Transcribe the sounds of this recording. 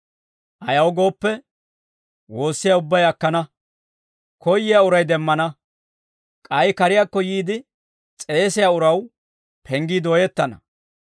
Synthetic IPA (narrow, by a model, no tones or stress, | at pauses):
ʔɐjɐwɡo̞ːpːɛ | wo̞ːsːɪjaːʊbːɐjɐkːɐnɐ | kɔjːɪjaʊɾɐjd̪ɛmːɐnɐ | kʼɐjkɐɾɪjaːkːɔjiːd̪ɪ | t͡sʼe̞ːsɪjaːʊɾɐw | pʰɛŋɡiːd̪oːjɛt̪ːɐnɐ̰